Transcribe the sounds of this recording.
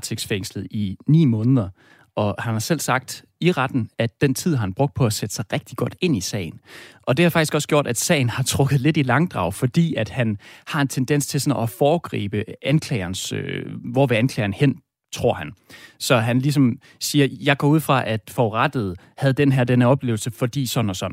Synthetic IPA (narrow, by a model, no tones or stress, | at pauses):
t͡sʰeɡ̥sfeŋ̰slð̩ˠinḭːmɔ̽ːnðˠɐ | ʔɒ̽hænhɑ̈sel̰sɑ̈ɡ̥̚d̥ | iʁɑd̥n̩æd̥ːen̰t͡sʰið̞̰ˠhɑ̈hænb̥ʁɔ̽ɡ̥̚d̥̚pʰɒ̽æsed̥sɑ̈ɪʁɛɡ̥̚d̥iɡ̥ɒ̽d̥e̝n̰isɛ̰ːɪn̩ʔɒ̽d̥e̝hɑ̈fɑɡ̥isɡ̥ɒ̽sɡ̥jo̝ɐ̰d̥æd̥sɛ̰ɪn̩hɑ̈t͡sʰʁɔ̽ɡ̥ð̩ˠle̝d̥ilɑ̈ŋd̥ʁɑ̰̈ʊfɒ̽d̥ḭːæd̥hænhɑ̈e̝nt͡sʰend̥en̰st͡sʰe̝lsɒ̽nɒ̽fɒːɡ̥ʁḭːb̥əænkʰlɛɪɐnsøʋɒʋeænkʰlɛɪɐnhen̰ | t͡sʰʁo̝ɐ̰hænsɒ̽ɦænlis̬ɒ̽m | siːɐjɑ̈ɪɡ̥ɒ̰ːuð̰ˠfʁɑ̈ʔæd̥fɒʁɑd̥ð̩ˠ | hæð̩ˠd̥enɦeɐd̥enɐɒ̽b̥le̝ːʊl̩səfɒ̽d̥ḭːsɒ̥̽n̩ɒ̽sɒ̽n̰̩